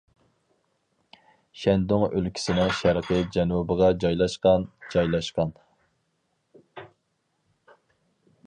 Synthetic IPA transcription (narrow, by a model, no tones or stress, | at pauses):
ʃɛnd̪oŋølkʲʰi̥sɪnɪŋʃɛɾqʰɨd͡ʒɛnubəʁɑd͡ʒɑjlˠɑʃqɑnd͡ʒɑjlˠɑʃqɑn